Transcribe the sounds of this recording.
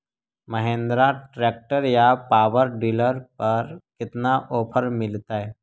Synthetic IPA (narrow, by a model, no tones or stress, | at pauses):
məɦẽːnd̪ɾaʈɾeːk̚ʈəɾjapaːwəɾɖiːləɾpɐɾkɪt̪naʔoːpʰəɾmɪlt̪aɦɛː